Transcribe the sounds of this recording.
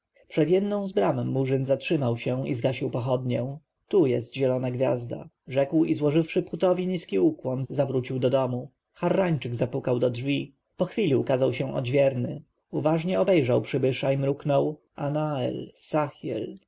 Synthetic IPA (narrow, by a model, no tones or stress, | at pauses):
pʂɛd̪jɛd̪nɔ̃w̃zbɾamɛmːuʐɘnzatʂɘmawɕɛḭzɡaɕiwpɔxɔd̪ɲɛ | t̪ujɛst̪ʑɛlɔnaɡvʲja̰zd̪a̰ | ʐɛkwizwɔʐɘfʂɘput̪ɔvʲiɲiskʲiukwɔnzavɾut͡ɕiwd̪ɔd̪ɔmu | xarːaɲt͡ʂɘɡzapukawd̪ɔdʐvʲi | pɔxfʲilʲiukazawɕɛ̃ʔɔ̰d͡ʑvʲjɛɾnɘ | uvaʐɲɛɔbɛjʐawpʂɘbɘʂaimɾuknɔw | a̰naɛ̰lsaxʲjɛ̰l